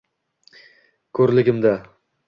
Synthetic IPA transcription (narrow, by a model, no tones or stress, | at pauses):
kʰɵɾlɪɡʲɪmd̪a